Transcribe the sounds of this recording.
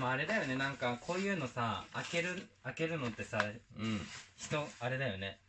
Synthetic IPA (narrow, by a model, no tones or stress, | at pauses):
maːɾe̞d̪ajo̞ne̞nãŋkakʰo̞ːjɯ̟ːno̞saake̞ɾɯ̟ake̞ɾɯ̟no̞t̪ːe̞saɯ̟̃ɴçi̥t̪o̞aɾe̞d̪ajo̞ne̞